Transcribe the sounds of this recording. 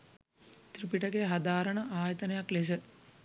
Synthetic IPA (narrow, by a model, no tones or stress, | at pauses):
t̪ripiʈəɡeɦad̪aːɾəɳəʔaːjət̪ənɐjakles̬ə